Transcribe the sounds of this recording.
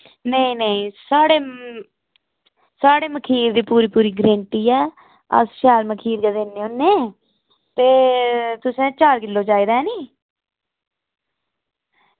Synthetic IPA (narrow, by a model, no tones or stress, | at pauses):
nəĩːnəĩːsaːɽeː | saːɽeːməkʰiːɾd̪iːpuːɾiːpuːɾiːɡɾẽːɳʈiːɛː | ə̰sʃaːlməkʰiːɾɡəd̪eːnːeːoːnːẽː | t̪eːt̪ʊsẽːt͡ʃaːɾkɪlːoːt͡ʃaːiːd̪aːɛːniː